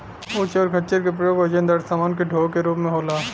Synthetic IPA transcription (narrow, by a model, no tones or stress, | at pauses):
ʊt͡ʃɔːɾkʰɐt͡ʃəɾkep̬ɾəjoːɡɐd͡ʒə̃nd̪əɾsaːmaːnkeɖʱoːkeɾuːpmẽɦoːlaː